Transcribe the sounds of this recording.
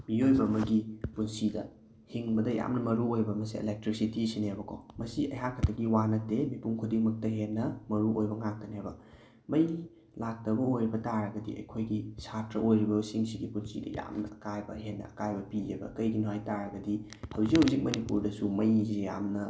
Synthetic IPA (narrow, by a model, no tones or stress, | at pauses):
miojbɐmɐɡipunsidɐ̰ | hiŋbɐdɐja̰mnɐmɐɾuojbɐmɐsiḛlek̚tɾisitisinabɐkʰo̰mɐsiʔɐ̰jɦakʰɐtʰɐɡiwanɐtemipuŋkʰudiŋmɐk̚tɐɦennɐmɐɾuʔojbɐŋak̚tɐnabɐ | mɐj | lak̚tɐbɐojɾibɐtaɾɐɡɐdḭɐ̰jkʰojɡisatɾɐʔojɾibɐsiŋsiɡipunsidɐ̰ja̰mnɐɐkajbɐ̰ɦetnːɐ̰ɐkajbɐpiebɐ̰kɐjɡinuɦajtaɾɐɡɐdi | hɐwzikhuwzik̚mɐnipuɾdɐsumɐjzija̰mnɐ